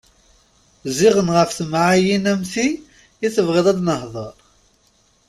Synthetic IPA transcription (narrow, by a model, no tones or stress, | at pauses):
ziʁənʁəfθəmʕajinæmθi | jiθəvʁeðˤɑd̪nəhðˤəɾˤ